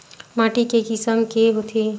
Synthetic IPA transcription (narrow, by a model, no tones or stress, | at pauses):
maːʈikekɪsəmkeɦot̪ʰe